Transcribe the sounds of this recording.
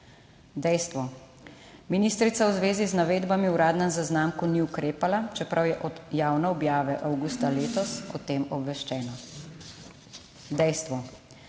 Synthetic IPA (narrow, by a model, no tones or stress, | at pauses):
d̪ɛjst̪ʋɔ | miniːst̪ɾit̪sawzʋeːziznaʋeːd̪bamiuɾaːd̪nɛmzaznamkuniukɾeːpalat͡ʃɛpɾʔawjɛʔɔjaːwnɛɔbjaːʋɛʔawɡust̪aleːt̪ɔsɔ̰t̪eːmɔbʋɛʃt͡ʃɛːnɔ | d̪ɛjst̪ʋɔ